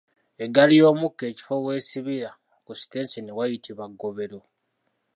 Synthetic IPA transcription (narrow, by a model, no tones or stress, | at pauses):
e̞ɡalijo̞ːmukːe̞ːci̥fo̞we̞ːsiβiɾa | kusi̥teːnsinewajitʰiβaɡːo̞βe̞ɾo̞